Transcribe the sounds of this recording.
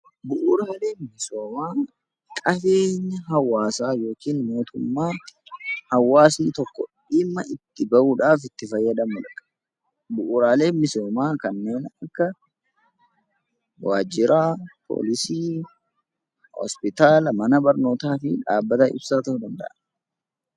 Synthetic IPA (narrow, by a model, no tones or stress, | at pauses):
bʊʔʊɾaːle̞ːmɪso̞ːmaː | kʼɐfe̞ːɲːɐɦɐwːaːsaːjo̞ːkiːnmo̞ːt̪ʰʊmːaː | hɐwːaːsnɪt̪ɔkːɔᶑɪmːɐʔɪt̪ːɪbɐʔuːᶑaːfɪt̪ːɪfɐjːɐd̪ɐmːɐlɐkʼːɐ̥ | bʊʔːɾaːle̞ːmmːɪso̞ːmaːkɐnːe̞ːnɐkːɐ | waːd͡ʒɪɾaːpʰo̰ːlɪsiː | hɔ̰spɪt̪aːlmɐnɐbɐɾno̞ːt̪aːfɪᶑaːbːɐt̪ɐʔɪ̰bsaːt̪ɐhʊd̪ɐnd̪ɐ̰ʔɐn